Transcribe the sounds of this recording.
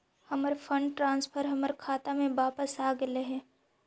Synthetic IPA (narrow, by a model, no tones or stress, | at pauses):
həməɾfʰə̃ɳɖʈɾãːnspʰəɾɦɐməɾkʰaːt̪amẽʋaːpəsaːɡeleɦe